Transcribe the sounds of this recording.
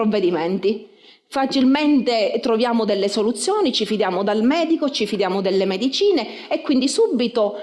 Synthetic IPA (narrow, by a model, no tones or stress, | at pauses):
ovːed̪imɛnt̪i | fat͡ʃilment̪et̪ɾovjaːmod̪ɛlːesolut̪sːjoːnit͡ʃifid̪jaːmod̪almɛːd̪ikot͡ʃifid̪jaːmod̪ɛlːemed̪it͡ʃiːneː | kːwind̪isubːit̪o